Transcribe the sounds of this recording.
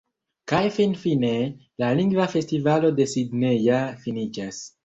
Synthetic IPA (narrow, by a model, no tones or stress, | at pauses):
kajfinfine̞ | laliŋɡvafe̞stivalo̞d̪e̞sid̪nejafinid͡ʒas